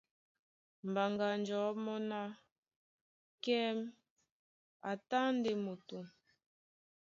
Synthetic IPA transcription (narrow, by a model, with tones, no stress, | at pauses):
m̩˨ba˨ŋɡa˨nd͡ʒɔ˨˦mɔ˦na˦ | kɛ˦m | a˨ta˦nde˨mo˨tu˨